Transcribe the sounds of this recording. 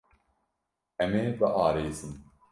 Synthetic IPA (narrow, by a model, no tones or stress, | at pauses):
ɛmeːbɨʔɑːɾeːzɨn